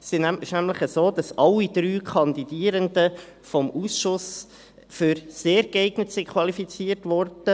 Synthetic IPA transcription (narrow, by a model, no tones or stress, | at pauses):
sinæmʃnæmləχəzoːd̪ɑsʔɑlːid̥ɾyːkʰɑnd̪idiəɾəndə | fɔmuːsʃʊs | fyɾseːɾɡɛɪɡ̥nətsɪkχʋɑlifit͡siːəɾtʋɔrd̥ə